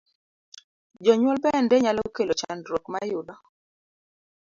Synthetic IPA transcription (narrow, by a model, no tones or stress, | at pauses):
d͡ʒɔɲwɔlpɛɛndɛɲalɔkelot͡ʃandɾwokmajʊdɔ